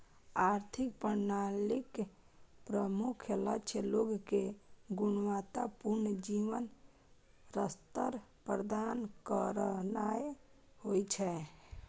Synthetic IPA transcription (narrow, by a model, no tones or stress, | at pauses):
aɾt̪ʰikpəɾnalik | pɾəmukʰjələt͡ʃʰɛloɡkeɡunʋat̪apuɾnəd͡ʒiʋən | ɾəst̪əɾpɾəd̪ankəɾənaj | hojt͡ʃʰɛ